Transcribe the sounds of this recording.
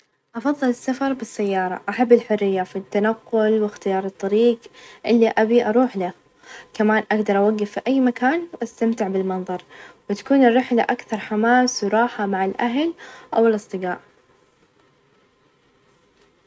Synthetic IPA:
ʔɑfɑðˤːɨlɪsːafɑɾˤbɪsːajːɑːɾˤɑ̰ʔaħabːɪlħʊrːɪjːafit̪ːanaqːʊlwɪxt̪ɪjɑːɾˤɨt̪ˤːɑɾiːɡʔɪlːiʔabiʔɑɾˤuːħla | kamaːnʔaɡd̪ɑɾˤʔawaɡːafːiʔajːmakaːnwʔast̪amt̪ɪʕbɪlmɑnðˤɑɾˤwɪt̪ḁkuːnɪrːɪħlaʔakθɑɾˤħamaːswɾˤɑːħamaʕɪlʔaɦlʔawɪlʔɨsˤt̪ˤɨɡɑːʔ

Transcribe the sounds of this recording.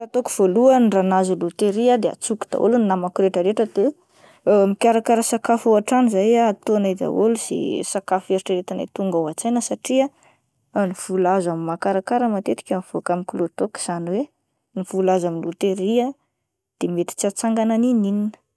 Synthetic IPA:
at̪okuv̥oluənranazulut̪eɾiad̪ea̰t͡suku̥d̪a̰ʔo̰luninamakuɾeʈ͡ʂəɾeʈ͡ʂəd̪e | mikʲaɾakaɾəsakafoaʈ͡ʂanizajaat̪onad̪a̰ʔoluz̥ḛsakafeɾiʈ͡ʂəɾet̪ana̰jt̪uŋɡawat͡sajnəsaʈ͡ʂia | niv̥ulazamimakaɾakaɾəmat̪et̪i̥kʲanv̥oakamikulut̪oki̥z̥aniwe | niv̥ulazaminlut̪eɾia | d̪̥emet̪i̥t͡sat͡saŋɡananininin̥

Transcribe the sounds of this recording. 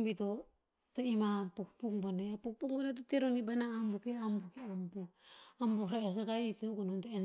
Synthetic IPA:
bito | toimapukpukboneapuk̚puk̚banet̬oteɾoŋibanaːmbukeambukeambuambuɾaes̬aɡaiteuɡonontoen

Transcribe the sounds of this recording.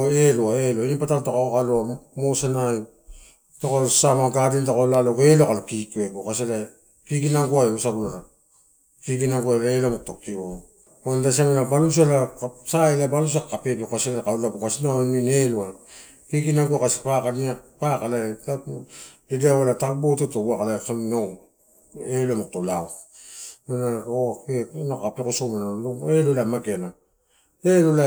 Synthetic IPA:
eloaeloinipataltakookaloamosanaj | takosamaɡadintakolaloɡelokalokikueɡokasela | kiɡinaŋɡuajosabulaɾa | kiɡinaŋɡualaelomok̚tok̚tio | ondas̬iamanabalus̬alaksaelabalus̬akːape̞bikaselakaulabukasinamineloa | kiɡinaŋɡuakasi̥pakaniapakalata | ideawalatakbotetouakalaekannow | elomok̚tolaw | manaoenokːapekosomanaloelolamakena | elola

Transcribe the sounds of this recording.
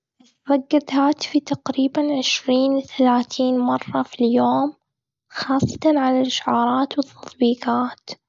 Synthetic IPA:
ɪ | ðˤɑɡːad̪haːt̪ɪ̥fit̪aqɾiːbanʕɪʃɾiːnθalaːθiːnmɑrˤːɑfiljoːm | xɑːsˤːɑ̥t̪ɑnʕalalʔɪʃʕɑːɾˤɑːt̪wɨt̪ˤːɑt̪ˤbiːqaːt̪

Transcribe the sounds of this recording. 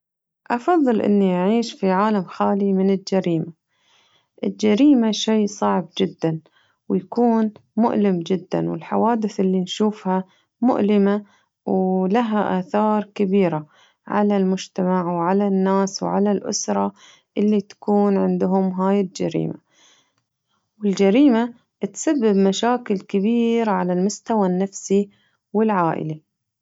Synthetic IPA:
ʔɑfɑðˤːɨlʔɪ̰nːiʔaʕiːʃfiʕaːlamxaːlimɪnɪld͡ʒaɾiːma | ʔɪld͡ʒaɾiːmaʃeːsˤɑʕb̚d͡ʒɪd̪ːan | wjakuːnmʊ̰ʔlɪmd͡ʒɪd̪ːa̰nwɪ̰lħa̰waːd̪ɪθʔɪlːinʃuːfha | mʊ̰ʔlɪma | wlaɦaʔaːθɑːɾˤkabiːɾa | ʕa̰lalmʊd͡ʒt̪amaʕwʕalanːaːswʕa̰lalʔʊ̰sɾˤɑ | ʔɪlːit̪ḁkuːnʕɪnd̪ʊɦʊmɦaːjɪld͡ʒaɾḭːma̰ | wɪld͡ʒaɾiːma | t̪sabːɪbmaʃaːkɪlkɪbiːɾʕalalmʊst̪awanːafsi | wɪlʕaːʔɪ̰la

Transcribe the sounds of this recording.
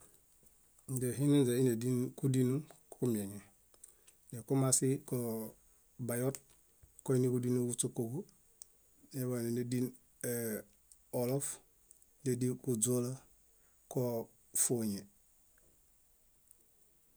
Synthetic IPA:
deɦininzeinedinkudinukkumeŋe | dekumasiko | bajot̚ | koinikudinukut͡ʃukːoɡu | neβanenedin | e | olof | dedikud͡ʒola | ko | foɲe

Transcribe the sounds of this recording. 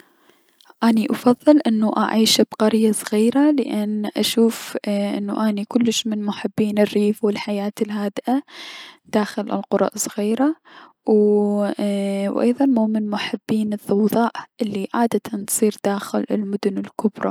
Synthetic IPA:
ʔaniʔɑfɑðˤːɨlʔɪnːuʔa̰ʕiːʃbqɑɾjasˤɣiːɾalɪ̰ʔanʔaʃuːfʔɪ̰nːṵʔanikʊlːɪʃmɪnmʊħɪbːiːnɪrːiːfwɪlħajaːt̪ɪlɦaːd̪ʔad̪̥aːxɪlɪ̰lqʊɾˤɑ̰ʔsˤɣiːɾa | w | wʔɑ̰jðˤɑnmuːmɪnmʊħɪbːiːnɨθɑwðˤɑːʔʔɪlːiʕaːd̪ant̪sˤiːɾd̪̥aːxɪlɪ̰lmʊd̪ʊnɪlkʊbɾˤɑ̰

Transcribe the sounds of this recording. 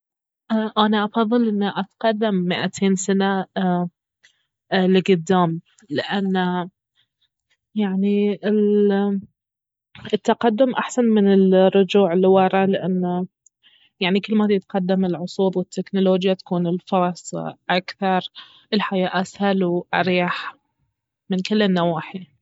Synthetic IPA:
ʔaʔanaʔɑfɑðˤːɨlʔɪnːaʔat̪qɑd̪ːamːɪʔat̪ʰeːnsana | lɪɡʊd̪ːaːm | lɪʔanːa | jaʕniɪl | ɪt̪ːaqad̪ːʊmʔaħsanmɪnɪlrːʊd͡ʒuːʕɪlːiwɑɾˤɑlɪʔanː | jaʕnikɪlːmah̪jɪt̪qɑd̪ːamɪlʕʊsˤuːd̪ˤwɪt̪ʰːɪknʊloːd͡ʒjat̪ḁkuːnɪlfɑɾˤɑsˤʔakθɑɾˤ | ɪlħajaːʔashalwʔaɾjaħ | mɪnkɪlːɪnːawaːħi

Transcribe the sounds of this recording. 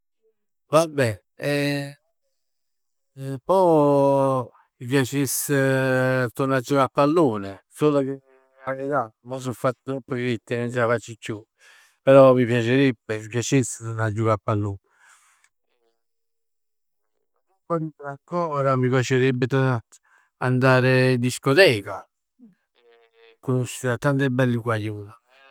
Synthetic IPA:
vabːɛ | pɔ | mip̬jat͡ʃese | t̪oɾnad͡ʒukapːalːuːnesoːloke | anit̪amɔsufːat̪ːt̪ɾɔpːəkɾit̪ːinont͡ʃɛafat͡ʃːikːju | peɾɔmipjat͡ʃeɾebːeipjat͡ʃeset̪onad͡ʒːukapːalːuːn | upɔɾitɾakːɔɾamipjat͡ʃeɾebːɪt̪ona | and̪aːɾed̪iskɔt̪ɛːka | kːonuʃːiɾat̪ːant̪ɛbːɛlːikwajuːla

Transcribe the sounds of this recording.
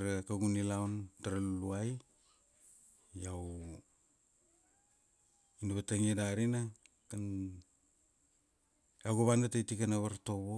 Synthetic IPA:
ɾakaɡunilawntaɾalluaj | aw | inaβataŋiedaɾina | kan | awɡoβandatajtikanaβaɾto̞βo

